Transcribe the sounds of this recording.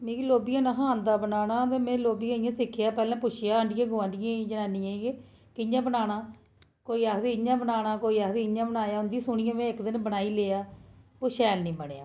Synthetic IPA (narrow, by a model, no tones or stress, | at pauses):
mẽːkiloːbijãːnaɦãːnd̪aːbənaːnaːt̪eːmɛ̃ːloːbiːãːɪjãːsɪkʰːjaːpɛːlãːpʊʃʰɪjaːəɳɖɪjãːɡʊãːɳɖɪjãːid͡ʒənaːniːãːi | kɪɲãːbənaːnaː | koːiːakd̪iːɪɲãːbənaːɽaːkoːiːakd̪iːɪɲãːbənaːjaːʊnd̪iːsʊɳɪjãːmɛ̃ːɪkd̪ɪnbənaːiːleːaːoːʃɛːlnĩːbənːa̰ː